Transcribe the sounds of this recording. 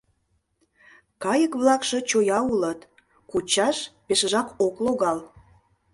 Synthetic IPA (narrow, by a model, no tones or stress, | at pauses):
kɑjəkβlɑkʃɤ̆t͡ɕojɑulət̪ | kut͡ɕɑʃpeʃə̆ʒɑkokloɣɑl